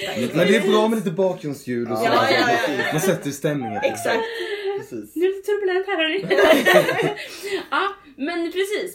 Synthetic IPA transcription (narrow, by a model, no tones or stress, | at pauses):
mɛnd̪ɛæɾbɾɑːmɛliːt̪əbɑːkɾɵnsɡʉ̟ːlɔsɔ | mansɛt̪ːəɾst̪ɛmnɪŋə̰nɛksakt̪ː | nʉt̪ʰɵblant̪ʰæɾaɾɪ | ɑː | mɛnpʰɾɛsiːs